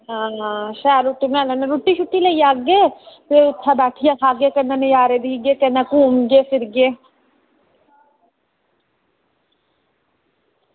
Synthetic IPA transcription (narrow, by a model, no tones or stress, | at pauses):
ɦãːɦãːʃɛːluʈːumelanẽɾuʈːit͡ʃʰʊʈːilɐijaːɡeteʊt̪ʰːabɛːʈʰijãkʰaːɡekɐnanejaːɾed̪iːɡekɐnakuːmɡefɪɾɡe